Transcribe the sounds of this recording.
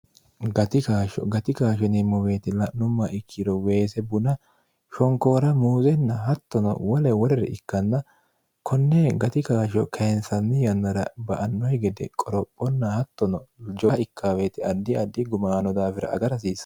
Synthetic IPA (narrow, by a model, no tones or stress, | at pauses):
ɡɐt̪ɪkaːʃɔ̰ɡɐt̪ɪkaːʃɔnɛmːɔweːt̪ɪlɐnʊmːɐʔɪkʰːɪd̪ɔwe̞ːsɛbʊnɐ | ʃɔŋko̞ːɾɐmuːzɛnːɐhɐt̪ːɔnɔ̰wɔlɛwɔɾɛɾɛ̰ɪkːɐnːɐ | kʰɔnːɛɡɐt̪ɪkaːʃɔkʰɐɛnsɐnːɪjɐnːɐɾɐbɐʔɐnːɔjɡɛd̪ɛ̰kʼɔɾɔpʼːɔnːɐhɐt̪ːɔnɔd͡ʒɔɪkʰːaːweːt̪ɪɐd̪ːɪɐd̪ːɪɡʊmaːnɔd̪aːfɪɾɐ̰ɐ̰ɡɐɾɐs̬iːs